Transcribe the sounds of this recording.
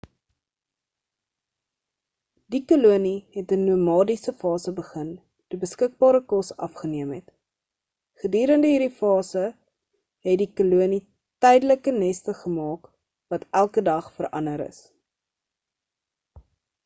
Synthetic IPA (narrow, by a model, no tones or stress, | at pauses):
dikoluəniɦɛtənuəmɑːdisəfɑːsəbəχən | d̥əbəskək̚bɑːɾəkɔsɐ̰fχəniəmɦɛt | χədyːɾəndəɦiːɾifɑːsə | ɦɛtdikoluəni | tɛjdələkənɛstəχəmɑːk | vɐtælˠkədɐχfəɾɐ̰nəɾə̰s